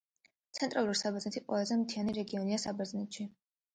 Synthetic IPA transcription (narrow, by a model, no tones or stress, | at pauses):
t̪sʰɛnt̪ʼɾʔalˠuɾisabɛznɛt̪ʰiqʼwɛ̰lˠazɛmt̪ʰianiɾɛɡiɔniasabɛznɛt̪ʃi